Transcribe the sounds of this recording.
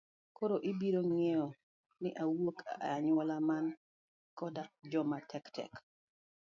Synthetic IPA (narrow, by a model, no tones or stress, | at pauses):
koɾoʔibiɾoŋɛɔ | nɪʔawokʰaaɲwɔlaman | kɔdad͡ʒɔmatʰɛktʰɛ̰k